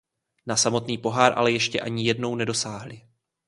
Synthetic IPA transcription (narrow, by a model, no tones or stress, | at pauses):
nasamo̞t̪niːpo̞ɦaːɾʔa̰lɛjɛʃcɛ̰ʔaɲɪjɛdno̞wnɛdo̞saːɦlɪ